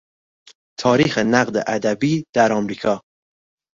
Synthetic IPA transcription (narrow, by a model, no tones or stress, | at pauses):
t̪ʰɒːɾiːxenæɢd̪ḛʔæd̪æbiːd̪̥æɾɒːmɾiːkʰɒː